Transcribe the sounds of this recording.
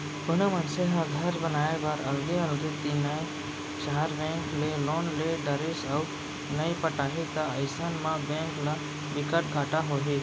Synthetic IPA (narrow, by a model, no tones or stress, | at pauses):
ɡʊnumənseɦəɡ̪ʱəɾbənaːebaːɾəlɡeəlɡet̪inə | ʃaɦaɾbẽŋkleloːnleɖəɾesaw | nəjpəʈaːɦit̪aəjsanmãbɛ̃ŋkla | ʋɪkəʈɡaːʈaɦoːɦi